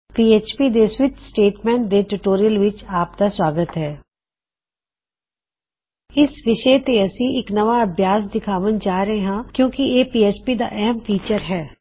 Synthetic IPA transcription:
piːeːt͡ʃpiːd̪eswɪt̪sʈeːʈmɛ̃ːɳʈ̚d̪eʈuʈoːɾijəlʋɪt͡ʃaːp̚d̪aswaːɡət̪ɦɛː | ɪsʋɪʃət̪eɐsĩʔɪknɐʋaəbʱjaːs̬d̪ɪkʰaːʋənd͡ʒaːɾəɦeɦãːkjõːkieːpiːeːt͡ʃpiːd̪a̰ːʔɛɦəmfʰiːt͡ʃəɾɦɛː

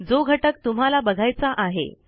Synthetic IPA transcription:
d͡zoɡʱəʈək̚t̪um̤alabəɡʱajt͡saʔaɦḛ

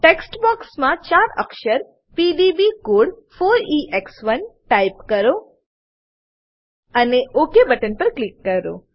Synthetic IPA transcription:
ʈeksʈbɔksmãt͡ʃaɾə̰kʃəɾ | piɖibikoɽ | foɾiʔeksʋənʈaipkəɾo | əneʔokebəʈənpəɾklikːəɾo̰

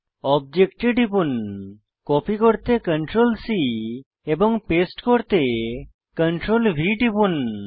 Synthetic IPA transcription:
ɔb̚d͡ʒekʈeɖipun | kɔpʰikoɾt̪ekəɳʈɾolsi | ebɔŋpesʈkoɾt̪e | kəɳʈɾolbʱiʈipun

